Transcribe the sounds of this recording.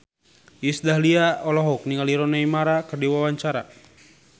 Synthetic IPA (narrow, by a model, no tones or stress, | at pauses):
isdaɦliaɔlɔɦɔk̚niŋaliɾɔnaimaɾakərdiwawaɲt͡ʃaɾa̰